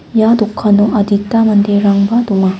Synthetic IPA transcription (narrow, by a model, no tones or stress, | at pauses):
jad̪ukʰːanuʔɐd̪itːamɐnd̪eɾaŋbad̪uŋa